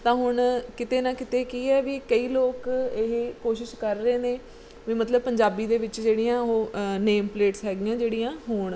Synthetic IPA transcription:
t̪ãːɦʊɳkɪt̪eːnãːkɪt̪eːkiːɛːʋiːkəiːloːkeɦkoːʃɪʃkəɾːəeːneː | ʋiːmət̪ləbpəɲd͡ʒaːbiːd̪eːʋɪt͡ʃd͡ʒeːɽijãːoːneːmpleːʈsɦɛːɡɪjãːd͡ʒeːɽijãːɦoːɳ

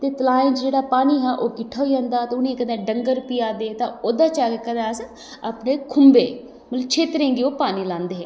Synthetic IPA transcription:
t̪eːt̪əlaːɪ̃nt͡ʃd͡ʒeːɽaːpaːniːɦaːʔoːkɪʈʰːaːɦoiːãːnd̪aːt̪ãːʊnĩeːkəd̪ẽːɖəŋɡəɾpɪːaːd̪eːt̪ãːoːd̪aːt͡ʃaːɡekəd̪ãːs | aːpneːkʰʊmbeː | mət̪ləbt͡ʃʰeːt̪ɾẽːŋɡeːoːpaːniːlãːnd̪eːɦɛː

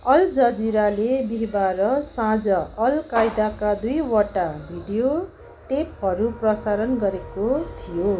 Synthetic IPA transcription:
ʌld͡zʌd͡ziɾalebiɦbaɾʌsãd͡zʌʌlkajd̪akad̪ujwʌʈabʱiɖijo | ʈepɦʌɾuprʌsaɾʌnɡʌɾekot̪ʰijo

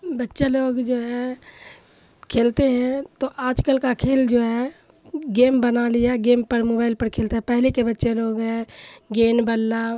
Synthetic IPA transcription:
bətːʃeloːɡd͡ʒoːɦɛ | kʰeːlt̪eɦɛ̃t̪oʔaːd͡ʒkəlkakʰeːld͡ʒoːɦɛ | ɡeːmbənalɪjaɡeːmpəɾmoːbaːɪlpəɾkʰeːlt̪eɦɛ̃pɛɦlekebətːʃeloːɡɦɛ̃ɡeːnbəlːa

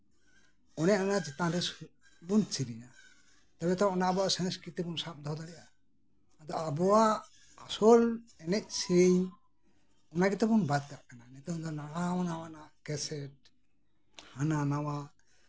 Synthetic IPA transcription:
ɔnɛaanad͡ʒɛt̪ãɾɛsu | bunt͡ʃiɾina | t̪abɛt̪aɔnabɔasɛ̃nskit̪ɛbɔnsap̚d̪ʱɔd̪aɽɛʔaː | d̪ɔabɔwaː | sɔlɛnɛc̚siɲ | ɔnaɡɛt̪ɛbɔnbad̪̚kaʔkananɛt̪ɔd̪ɔnawaɔnawanaʔkɛsɛʈ̚ | hananawaʔ

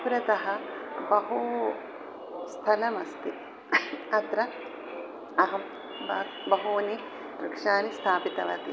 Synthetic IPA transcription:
pɾɐt̪ɐɦɐbɐɦu | st̪ʰɐlɐmɐst̪i | ɐt̪ɾɐ | ɐɦɐm | bɐ | bɐɦuːni | ɾɐkʂaːnist̪ʰaːpit̪ɐʋɐt̪i

